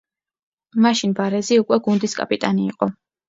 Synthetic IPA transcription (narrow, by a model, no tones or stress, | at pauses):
maʃinbaɾɛziukʼwɛɡund̪iskʼa̰pʼit̪ʼaniːqʼɔ